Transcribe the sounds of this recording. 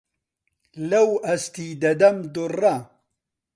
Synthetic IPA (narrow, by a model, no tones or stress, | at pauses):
lɐwɐst̪id̪ɐd̪ɐmd̪urɐ